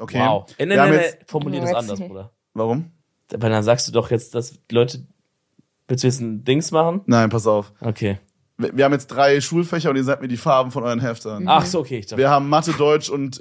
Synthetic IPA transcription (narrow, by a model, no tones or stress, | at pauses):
ʔokʰeːaʊɛnɛɐham̩jɛɛfɔɐmuliːɐdasʔandɐsbʁuːdɐ | vaʁʊm | d̥vaɪdanzaːkstd̥uːdɔχjɛt͡std̥aslɔʏtə | v̥ɪlsjsd̥ɪŋsmaχn̩naɪnpʰas̬aʊfʔokʰeː | vviːɐhaːmjɛt͡std̥ʁaɪʃuːlfɛçɐʊntiːɐzaːk̚tmiːɐdiːfaɐbm̩fɔnʔɔʏʁənɦɛftənaχsoːokʰeːɪçtaviːɐhaːbm̩matədɔʏt͡ʃʊnt